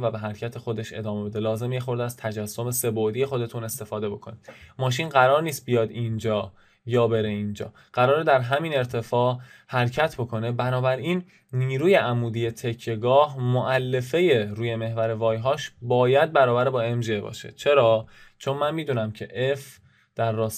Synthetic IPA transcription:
væbe̞ɦæɾcʰæt̪ʰe̞xo̞d̪e̞ʃe̞̰d̪ɒːme̞be̞d̪e̞lɒːze̞mjexo̞ɾd̪eæz̥t̪ʰæd͡ʒæsːo̞me̞se̞bod̪ije̞xo̞d̪e̞t̪ʰune̞st̪e̞fɒːd̪e̞bo̞kʰo̞ni̥mɒːʃ̬inɢæɾɒːɾniːst̪̚bijɒːd̪ind͡ʒɒː | jɒːbe̞ɾe̞ind͡ʒɒ̰ː | ɢ̥æɾɒːɾed̪æɾɦæmine̞ɾt̪ʰe̞fɒːʔhæɾcʰæt̪ʰbo̞kʰo̞ne̞bænɒːbæɾinː | iːɾuːje̞ʔæmuːd̪ije̞t̪ʰe̞kʰːe̞ɡɒːhmoʔælːe̞fe̞je̞ɾuːje̞me̞ɦvæɾe̞vɒːjɦɒːʃbɒːjæd̪̚bæɾɒːbæɾebɒːe̞mʒiebɒ̰ːʃḛt͡ʃʰe̞ɾɒːt͡ʃʰo̞nmænmiːd̪unæmcʰe̞ʔef | d̪̥æɾːɒːs

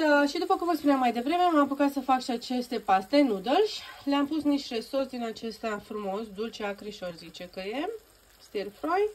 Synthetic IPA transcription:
əʃid̪upəkuməspuneamːajd̪e̞vɾe̞me̞mampukat̪səfakʃiat͡ʃe̞st̪e̞past̪e̞nud̪ərʃʲleampusniʃt̪re̞sursd̪inat͡ʃe̞st̪afɾumo̞sd̪ult͡ʃeakɾiʃo̞rzit͡ʃe̞kəje̞ | st̪erfɾoj

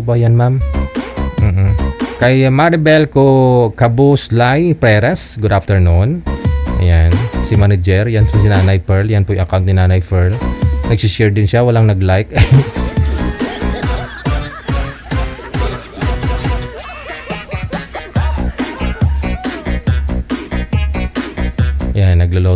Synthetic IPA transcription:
bajanmam | m̩ːʔ̩kɐjmaɾɪbɛlkokɐbuslajpɾɛɾasɡʊd̪aft̪ɛɹnunʔɐ̰jansɪmanɛd͡ʒɛɾjansansɪnaːnɐjpɛɹljanpojʊʔɐkawnt̪nɪnaːnɐjpɛɹlnɐɡ̚sɪʃɛɹd̪ɪnʃawɐlaŋnɐɡlajk | janːɐɡlolo

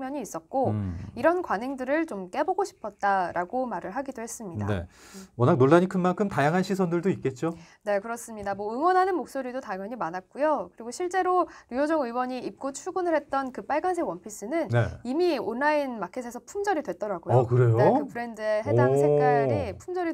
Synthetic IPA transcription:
mjʌɲiːs͈ʌt̚k͈oiɾʌnkwaneŋdɯɾɯɭt͡ɕomk͈e̞boɡoɕʰi̥pʰʌt̚t͈aɾaɡomaɾɯɭɦaɡidohe̞s͈ɯmɲiddade̞̰wʌnak̚noɭːaɲikʰɯnmankʰɯmtajaŋɦanɕʰisʰʌndɯɭdoit̚k͈e̞t̚t͡ɕ͈one̞kɯɾʌs͈ɯmɲidamwʌɯŋwʌnɦanɯnmok̚s͈oɾidotaŋjʌɲimanɦat̚k͈ujokɯɾiɡoɕʰiɭt͡ɕ͈e̞ɾoɾujod͡ʑʌŋɯwʌɲiip̚k͈ot͡ɕʰuɡunɯɭɦe̞t̚t͈ʌnkɯp͈aɭɡans̬ʰewʌnpʰis͈ɯnɯnneimionːainmakʰesʰesʰʌpʰumd͡ʑʌɾidwe̞t̚t͈ʌɾaɡojokɯɾe̞jonkɯpʰɯɾe̞ndɯeɦedaŋsʰe̞k͈aɾipʰumd͡ʑʌɾi

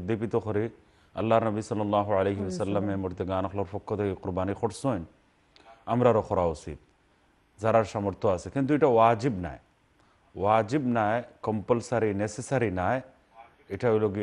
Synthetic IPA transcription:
d̪ipit̪oxɔɾi | ɐ̰lːaɾnɐbisɐlːɐlˤːaːɦuʕɐlejɦiʋɐsɐlːɐmːẽmʊɾt̪ɐɡaːnɐxloɾfɔkːot̪eiqʊɾbaːnixɔʈsoːn | ɐmɾaɾoxɔɾaːusḭːt̪ | zɐɾaɾʃamɐɾt̪oasekĩnt̪̬uiʈʰaʋaːd͡ʒibna̰ːe | ʋaːd͡ʒibnaːekɐmpəlsaɾinesesaɾinaːe | ɪʈʰailoɡi

